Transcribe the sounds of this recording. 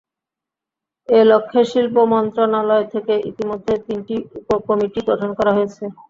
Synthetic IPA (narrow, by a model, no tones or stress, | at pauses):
elokʰːeʃilpomɔnt̪ɾonalɔet̪ʰekeʔḭt̪imod̪ʱːet̪inʈiupokomiʈiɡɾoʈʰonkɔɾaɦojet͡ɕʰe